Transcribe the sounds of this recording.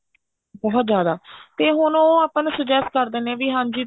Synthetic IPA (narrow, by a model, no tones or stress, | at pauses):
bɔːt̪zjaːd̪aːt̪eːɦʊnoːaːpənsəd͡ʒɛsʈ̚kəɾd̪eːnɛ̃ːʋiːɦãːnd͡ʒiː